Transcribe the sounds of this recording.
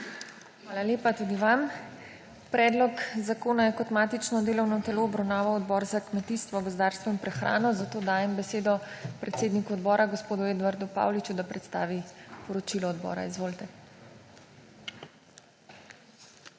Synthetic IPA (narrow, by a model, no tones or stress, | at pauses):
xʋaːlaljeːpat̪uːd̪iʋam | pɾɛːd̪lɔkzakoːnajɛkɔt̪maːt̪it͡ʃnɔd̪eːlɔwnɔt̪ɛloːbɾawnaːʋawɔd̪bɔːɾzakmɛt̪iːst̪ʋɔɡɔzɔd̪aɾst̪ʋɔinpɾɛxɾa̰ːnɔzat̪oːd̪aːjɛmbɛseːd̪ɔpɾɛt̪seːd̪nikuɔd̪bɔːɾaɡospoːd̪ueːd̪ʋaɾd̪upa̰ːwlit͡ʃud̪apɾɛt̪st̪a̰ːʋipɔɾɔt͡ʃilɔɔd̪bɔ̰ːɾa̰izʋoːlt̪ɛ